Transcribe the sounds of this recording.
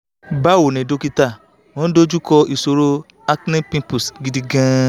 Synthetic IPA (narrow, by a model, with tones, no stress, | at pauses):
ba˦˨wo˨nɛ̃˨do˨˧ki˧ta˦˨ | w̃ɔ̃˦do˦d͡ʒu˦kɔ˧i˨so˨ɾo˦ | a˦knĩ˦pĩ˧˦pu˨sɡi˨˧di˧ɡã˦